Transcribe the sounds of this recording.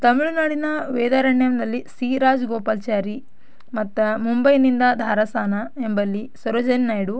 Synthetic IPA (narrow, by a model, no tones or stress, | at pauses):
t̪ɐmiɭunaːɽinɐʋɛːd̪aːɾɐɳjɐmd̪ɐlːisiːɾaːd͡ʒɡɔːpaːlt͡ʃaːɾi | mɐt̪ːɐmumbɐjnind̪ɐd̪ʱaːɾɐsaːnɐembɐlːisɐɾod͡ʒɐnnaːjɽu